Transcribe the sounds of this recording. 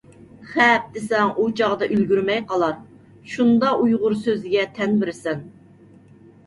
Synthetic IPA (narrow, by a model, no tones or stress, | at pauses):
χɛp̚d̪̥ɪsɛŋʔut͡ʃʰɑʁd̪ɑʔylɡʲyɾmɛjqɑlˠɑɾ | ʃund̪ɑujʁʊɾsøzɪɡʲɛt̪ʰɛnbɪɾɪsɛn